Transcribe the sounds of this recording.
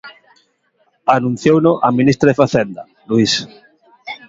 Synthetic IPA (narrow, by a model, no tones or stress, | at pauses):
anũn̟θjownʊʔamĩnist̪ɾaðefaθend̪ɐ | luis